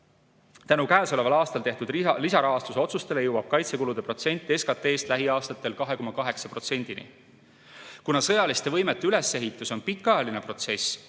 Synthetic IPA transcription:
t̪ænukæːso̞le̞vɑlɑːst̪ɑlt̪e̞ht̪ud̪lisɑɾɑɦɑst̪uso̞t̪sust̪e̞lejɤwɑb̥̚kɑjt̪se̞kulud̪e̞pro̞t̪se̞nʲt̪ːˑieskɑt̪ːˑe̞ːst̪læɦiɑːst̪ɑt̪ːˑe̞lkɑɦe̞komɑkɑɦe̞ksɑpro̞t̪se̞nʲd̪̥inḭ | kunɑsɤjɑlist̪e̞vɤ̞jmet̪ːˑeyle̞se̞ɦit̪ːˑuso̞npikːˑɑjɑline̞pro̞t̪se̞s

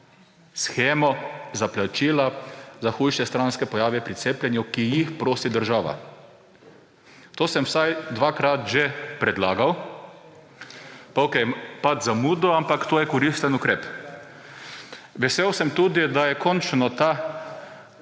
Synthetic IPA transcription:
sxeːmɔzaplat͡ʃiːlazaxuːjʃɛst̪ɾanskɛpɔjaːʋɛpɾiseːplʲɛnjukijixpɾoːsid̪əɾʒaːʋa̰ | t̪oːsɛmwsajd̪ʋaːkɾat̪ʒepɾɛd̪laːɡaw | paokɛjmpat̪zamuːd̪ɔampakt̪oːjɛkɔɾist̪ənukɾeːp | ʋɛseːwsɛmt̪uːd̪id̪ajɛkɔnt͡ʃnɔt̪a

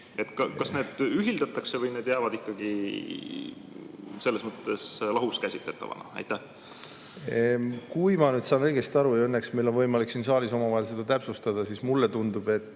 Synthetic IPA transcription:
e̞t̪kɑkɑsne̞ːd̪yɦild̪ɑt̪ːˑɑksevɤjneːd̪jæːvɑd̪ikːɑɡ̥i | se̞lːesmɤt̪ːˑe̞slɑɦuskæsʲit̪le̞t̪ːˑɑ̰vɑ̰nɑ̰æ̰jt̪ːæh | kujmɑnyːd̪̥sɑːnɤ̞iɡ̥e̞st̪iɑɾujɑɤnːeksmijlo̞nvɤjmɑliksinsɑːliso̞mɑvɑɦe̞lse̞d̪̥ɑt̪æpsust̪ɑd̪̥ɑsiːsmulːe̞t̪und̪ub̥e̞t̪ːˑ

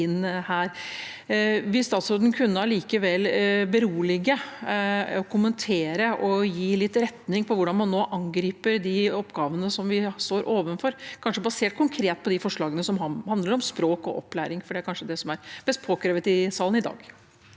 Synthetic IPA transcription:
ɪnːhæːɾ | ʋɪlst̪ɑːt̪sɾoːd̪ənkʰʉnːəɑɭiːkəʋɛlːbəɾuːlɪɡə | ɔkʰʊmənt̪ʰeːɾəʔɔjiːlɪt̪ːɾɛt̪nɪŋpʰɔʋʊɖɑnmɑnːoːʔɑŋɡɾiːpəɾd̪ɪɔpːɡɑːʋənəsɔmʋɪst̪oːɾʔoːʋənfɔɾkʰɑnʂəbɑseːʈ̚kʰʊŋkʰɾeːt̪̚pʰɔd̪ɪfɔʂɭɑːɡənəsɔmɑhɑnd̪ləɾɔmspɾoːkɔ̰ʔɔpːlæ̰ːɾɪŋfɔɖɛæɾkʰɑnʂəd̪ɛsɔmæɾbɛst̪̚pʰoːkɾeːʋət̪ɪsɑːlənɪd̪ɑ̰ːɡ

